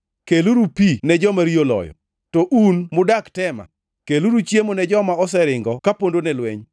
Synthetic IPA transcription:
keluɾupinɛd͡ʒɔmaɾiolɔ̰jɔ̰ | tɔʔunmʊdaktɛma̰ | keluɾut͡ʃjemonɛd͡ʒɔmaɔsɛɾɪŋɡɔkapondonɛlwɛɲ

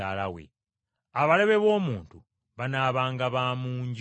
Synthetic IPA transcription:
alawḛ | aβale̞βe̞βo̞ːmuːntu | βanaːβaːŋɡaβaːmuːɲɟ

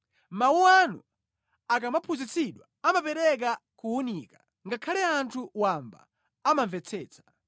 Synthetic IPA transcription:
mawuwanṵ | akamapʰuzit͡siɗwa | amapɛɾɛk̬akuunikḁ | ŋɡakʰalɛantʰuwamba̰ | amaɱvɛt͡sʰɛːt͡sḁ

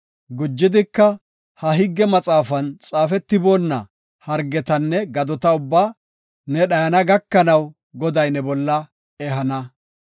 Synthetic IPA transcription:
ɡʊd͡ʒːɪd̪ɪkːɐ | hɐɦɪɡːɛmɐt͡sʼaːfɐnt͡sʼaːfɛt̪ːɪboːnːɐ̰ | hɐɾɡɛt̪ɐnːɛɡɐd̪ɔt̪ɐʊbːaː | nɛɗɐjɐnɐɡɐkːɐnɐw | ɡɔd̪ɐjnɛbɔlːɐ | ɛɦɐnɐ

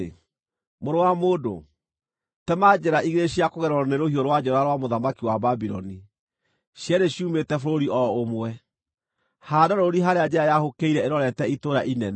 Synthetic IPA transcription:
moɾowamodo̰ | tɛmad͡ʑɛɾaʔiɣeɾeɕiakoɣɛɾɔɾɔneɾohioɾowad͡ʑɛɾaɾwamoðamakiwababiɾɔ̰ni | ɕjɛɾeɕiumetɛfoɾoɾiʔɔomwɛ | hadaɾoɾiɦaɾead͡ʑɛɾajahokeiɾɛeɾɔɾɛtɛitoɾaʔinɛn

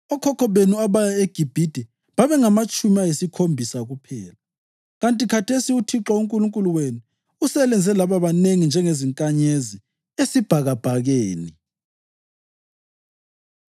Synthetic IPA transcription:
ɔkʰɔkʰɔβenuaβajaeɡ̥ʱib̥ʱid̥ʱɛ | βaβɛŋamat͡ʃʼumiajesikʰombʱisaɣupʰɛːla | ɣantʼikʰatʰesiutʰiǁauŋkʼuluŋkʼuluwenu | usɛlɛnd͡zʱɛlaβaβaneŋind͡ʒʱɛŋeziŋkʼaɲezi | esib̥ʱaɣab̥ʱaɣeːni

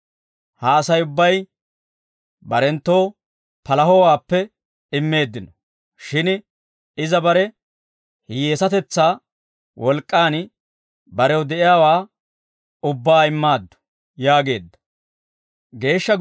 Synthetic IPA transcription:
hɐːsɐjʊbːɐj | bɐɾɛnt̪ːo̞ː | pɐlɐɦɔwaːpːɛ | ɪmːe̞ːd̪ːɪnɔ | ʃɪn | ɪzɐbɐɾɛ | hɪjeːsɐt̪ɛt͡sːaː | wʔɔlkʼːaːn | bɐɾɛwd̪ɛʔɪjaːwaː | ʊbːaːɪmːaːd̪ːɔ̥ | jaːɡe̞ːd̪ːɐ̥ | ɡe̞ːʃːɐ

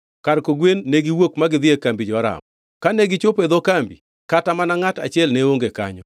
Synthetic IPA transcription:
kaɾkoɡwenːeɡiwokmaɡɪðɪekambid͡ʒɔaɾa̰m | kaneɡɪt͡ʃoped̪okambḭ | katamanaŋata̰t͡ʃɪɛlneoŋɡeka̰ɲɔ

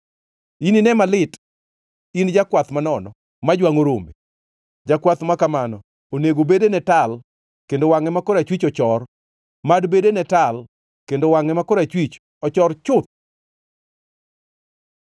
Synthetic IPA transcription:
ininɛmalɪt | ind͡ʒakwat̪manɔnɔ | mad͡ʒwaŋoɾombe | d͡ʒakwat̪makamanɔ | oneɡobedenɛtal | kendowaŋɛmakɔɾat͡ʃwit͡ʃɔt͡ʃɔr | madbedenɛtal | kendowaŋɛmakɔɾat͡ʃwit͡ʃ | ɔt͡ʃɔrt͡ʃʊt̪̚

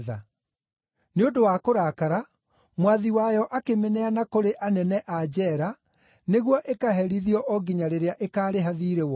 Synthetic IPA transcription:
ða̰ | neodowakoɾakaɾa | mwaðiwajɔʔakemenɛanakoɾeʔanɛnɛʔad͡ʑɛɾa | neɣwɔʔekaɦɛɾiðiɔʔɔɡiɲaɾeɾeaʔekaːɾeɦaðiːɾewɔ

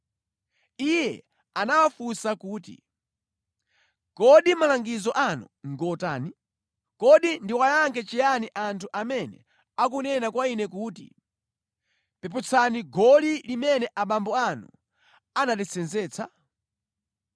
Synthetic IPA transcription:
ijɛ | anawafusakuːtḭ | kɔɗimalaŋɡizɔʔanṵ | ŋɡɔtaːni | kɔɗindiwajaŋkʰɛt͡ʃijaniʔantʰuʔamɛnɛ̰ | akunɛnakwainɛkuːtḭ | pɛp̬ut͡sʰaniɡɔlilimɛnɛʔaɓambɔanṵ | anatɛt͡sɛnzɛːt͡sʰa

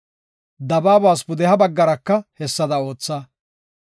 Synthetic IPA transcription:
d̪ɐbaːbaːsbʊd̪ɛhɐbɐɡːɐɾɐkːɐhɛsːɐd̪ɐo̞ːt͡sːɐ

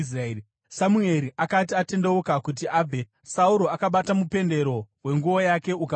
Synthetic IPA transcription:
s̬ra | samue̞ɾiʔakat̬iate̞nde̞ukakut̬iʔaːbʱe | sauɾo̞akaɓatamupe̞nde̞ɾo̞we̞ŋɡuo̞jake̞uka

